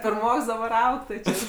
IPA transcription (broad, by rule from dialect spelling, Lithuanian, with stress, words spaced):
pʲɪrˈmoːks dɐˈbɐr ˈɐʊk tɐɪ ˈt͡ʃʲɛ